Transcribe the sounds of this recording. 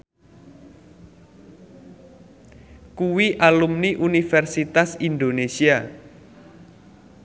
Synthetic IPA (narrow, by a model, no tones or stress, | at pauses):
kuwiʔalumniʔunifɛrsit̪asind̪onesia